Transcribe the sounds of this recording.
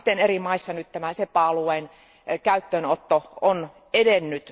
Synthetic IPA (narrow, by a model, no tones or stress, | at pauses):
t̪ːenerimɑisːɑnyt̪t̪æmænsepˑɑɑluein | kæyt̪ːøːnot̪ːoon | edenːyt̪